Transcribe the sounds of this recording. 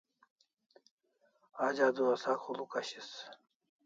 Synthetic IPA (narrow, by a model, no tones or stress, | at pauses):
aːd͡ʑaːd̪uwɐsaːkχulukɐɕis